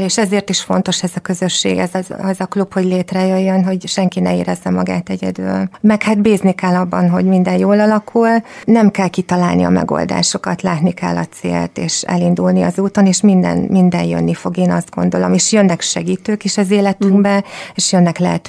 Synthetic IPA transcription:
leːʃɛzeːrt̪iʃfo̞n̪t̪o̞ʃɛzɒkø̞zøʃːḛːɡɛzɛzɒklupho̞ɟleːt̪rɛjøjːønɦo̞ɟʃɛŋkinɛeːɾɛzːɛmɒɡa̰ːt̪ɛɟɛ̰d̪y̰lmɛkhaːt̪beːznikɛlːɒbːɒnɦo̞̰ɟmind̪ɛnjoːlɒlɒkʰulnɛmkɛlkit̪ɒlaːlniɒ̰mɛ̰ɡo̞̰ld̪a̰ːʃo̞kɒt̪laːt̪nikɛ̰lːɒt̪sḛːlt̪eːʃɛ̰lind̪ulniɒ̰zuːt̪o̞neːʃmind̪ɛ̰nmind̪ɛnjø̰nːifo̞ɡeːnɒzd̪̚ɡo̞̰nd̪o̞lomeːʃjønːɛkʃɛɡiːt̪øːkiʃɛzeːlɛt̪yŋɡbɛeːʃjønːɛklɛɦɛt̪

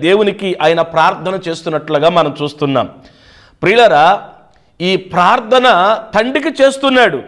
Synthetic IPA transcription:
d̪e̞ːwunikiʔaːjɐnɐpɾaːɾt̪ʰɐnɐt͡ʃe̞ːst̪unːɐʈluɡaːmɐnɐmt͡ʃuːst̪unːa̰ːm | pɾiːɭɐɾaː | iːpɾaːɾt̪ʰɐnɐt̪ʰɐɳɖikit͡ʃe̞ːst̪unːaːɽu

